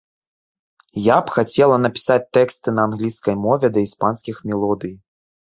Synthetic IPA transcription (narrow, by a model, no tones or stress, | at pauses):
japxat͡sʲɛlˠɐnɐpʲi̥sat͡sʲt̪ɛkst̪ɨnɐːnɣlʲiskɐjmɔvʲɛd̪ɐispanskʲixmʲɛlˠɔd̪ɨj